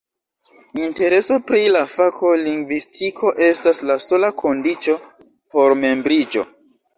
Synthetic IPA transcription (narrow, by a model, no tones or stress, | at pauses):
inte̞ɾe̞so̞pɾilafakʰo̞liŋɡvistʰikʰo̞ʔe̞staslaso̞lakʰo̞ndit͡ʃo̞ | po̞ɾme̞mbɾid͡ʒo̞̰